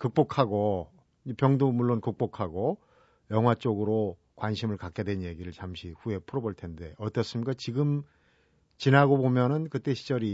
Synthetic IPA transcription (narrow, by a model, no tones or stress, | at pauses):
kɯk̚p͈okʰaɡo | ipjʌŋdomuɭːonkɯk̚p͈okʰaɡo | jʌŋɦwat͡ɕ͈oɡɯɾo | kwanɕʰimɯɭkak͈e̞dwe̞nje̞ɡiɾɯɭt͡ɕamɕʰiɸue̞pʰɯɾʌboɭtʰe̞nde̞ʌt͈ʌs͈ɯmɲik͈at͡ɕiɡɯm | t͡ɕinaɡobomjʌnɯnkɯt͈e̞ɕʰi̥d͡ʑ͈ʌɾi